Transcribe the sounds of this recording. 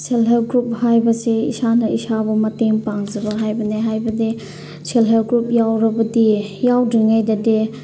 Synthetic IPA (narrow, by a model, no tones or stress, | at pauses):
sʰelɦelɡɾup̚hajbɐseḭsanɐisabɐmɐteŋpaŋzɐbɐɦajbɐneɦajbɐde | sʰelɦelɡɾup̚jawɾɐbɐdijawdiŋajdɐde